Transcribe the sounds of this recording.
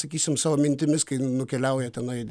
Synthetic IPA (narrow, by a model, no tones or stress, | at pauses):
sɐkʲiːsʲɪmsɑːʋoːmʲɪnʲt̪ʲɪmʲɪskɐɪnʊkʲɛlʲɛʊjɛt̪ʲɛnɐɪ